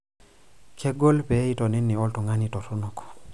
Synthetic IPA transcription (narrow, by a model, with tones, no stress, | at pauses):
kʰe˦ɡo˦lpe˨˦i˦tɔ˨ni˦nːi˨ɔ˦ltɔ˨ŋa˦ni˨tɔ˨tɔ˦nɔ˨kɔ̥˨